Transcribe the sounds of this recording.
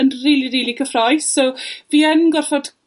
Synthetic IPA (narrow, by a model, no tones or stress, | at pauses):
ənriːlˠiɾiːlˠikʰəfrɔjssoviːənɡɔrfɔd̥